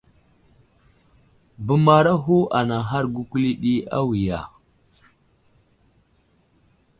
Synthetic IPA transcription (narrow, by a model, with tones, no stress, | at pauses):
bə˦ma˦ɾa˦ɦu˦ʔa˨na˨ɦa˦ɾɡu˦kʷli˦ɗi˦a̰˦wi˨ja̰˨